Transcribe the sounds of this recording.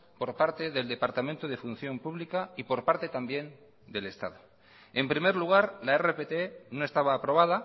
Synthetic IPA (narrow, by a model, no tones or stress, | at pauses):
po̞ɾpaɾt̪e̞ðe̞ld̪e̞paɾt̪amẽnt̪oð̞e̞fun̟θjo̞mpuβlikaipo̞ɾpaɾt̪e̞t̪ambje̞n | d̪e̞le̞st̪a̰ðo | e̞mpɾime̞ɾluɣ̞aɾlaere̞pet̪eno̞e̞st̪aβaːpɾo̞β̞aða